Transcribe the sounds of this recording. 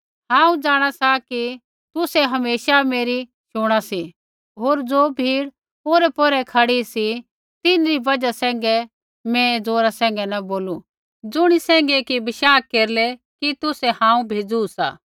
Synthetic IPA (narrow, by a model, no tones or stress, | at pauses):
hãːũd͡zaːɽ̃asaki | t̪ʊsɛɦɐmeːʃameːɾi | ʃoːɽ̃asi | ɦoːɾd͡zoːbʱiːɽ | oːɾɛpɔɾɛkʰɐɽisi | t̪ɪnɾibɐd͡ʒasɛ̃ːŋ̆ɡɛ | mɛ̃d͡zoːɾasɛ̃ːŋ̆ɡɛnɐboːlu | d͡zʊɽ̃isɛ̃ːŋɡɛkibɪʃaːkkeːɾlɛ | kit̪ʊsɛhãːũbʱeːd͡zuusa̰ː